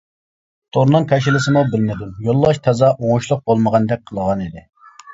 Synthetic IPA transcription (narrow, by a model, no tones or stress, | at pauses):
t̪ʰoɾnɨŋkʲʰɛʃ̬ɪlɪsɪmubɪlmɪd̪ujolˠːɑʃt̪ʰɛzɑʔoŋʊʃlˠʊq̚bolˠməʁɑnd̪ɛk̚ʲqʰəlˠəʁɑnid̪ɪ